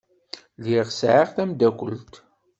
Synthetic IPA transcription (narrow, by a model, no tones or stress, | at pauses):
liʁsʕaʁθæmd̪ækʷə̰lt̪